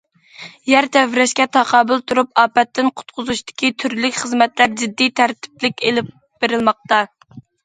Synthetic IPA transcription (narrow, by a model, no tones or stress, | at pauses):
jæɾt̪ʰɛvɾɛʃkʲɛt̪ʰɑqʰɑːbɨlˠt̪ʰuɾup̚ɑːpɛt̪ːɪnqʰʊ̥t̪qʰʊzuʃt̪ɪ̥kʲʰit̪ʰyɾlykʲχəzmɛt̪læɾd͡ʒɪd̪ːit̪ʰæɾt̪ʰɪ̥plɪkʲelɪp̚ | b̥eɾɪlˠmɑq̚t̪ɑ